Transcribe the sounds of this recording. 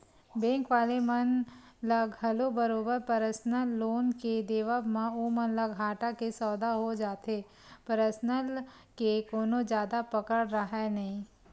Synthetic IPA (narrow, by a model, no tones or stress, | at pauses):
bɛ̃ːŋkʋaːlemɐnləɡɦɐlobəɾoːbəɾpɐɾəsnəlːoːnked̪eːʋəbmãomɐnləɡɦaːʈakesɔːd̪aɦod͡ʒaːt̪e | pəɾəsnəl | kekoːnõd͡ʒjaːd̪apɐkəɽɾɐɦenɐɦĩː